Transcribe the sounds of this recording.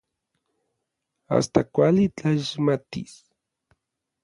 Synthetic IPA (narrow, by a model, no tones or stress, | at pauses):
a̰st̪akʷalit͡ɬaʃmat̪is